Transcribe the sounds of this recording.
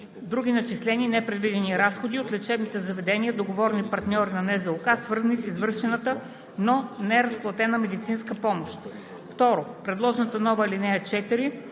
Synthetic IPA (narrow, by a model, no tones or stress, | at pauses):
d̪ɾuɡʲinɐt͡ʃislɛniːnɛpɾɛd̪vid̪ɛniɾasxod̪iot̪lʲɛt͡ʃɛbnit̪ɛzɐvɛd̪ɛniəd̪oɡovɔɾnipɐɾt̪nʲɔɾinɐnɛzɛlˠkasvɤɾzɐnisizvɤɾʃɛnət̪ə | nonɛɛɾɐsplˠɐt̪ɛnəmɛd̪it̪sinskəpɔmoʃt̪ | ft̪ɔɾopɾɛd̪lˠɔʒɛnət̪ənɔvəlinɛjət͡ʃɛt̪iɾi